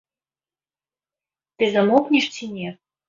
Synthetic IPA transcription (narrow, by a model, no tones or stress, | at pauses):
t̪ɘ̆zə̆moknʲiʂt͡sinʲe